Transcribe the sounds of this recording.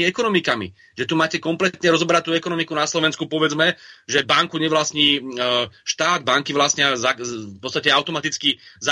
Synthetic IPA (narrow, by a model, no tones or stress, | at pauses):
ɛkɔnɔmikamḭ | ʒɛt̪umaːcɛkɔmplɛt̪ɲɛɾɔzɔbɛɾac̚t̪ːuːɛkɔnɔmikunaslɔʋɛnskupɔʋɛd͡zmɛʒɛbaŋkuɲɛʋlasɲiː | ʃt̪aːd̪̚baŋkiʋlasɲɛazafpɔt̪t͡st̪acɛaʊt̪ɔmat̪it͡skiza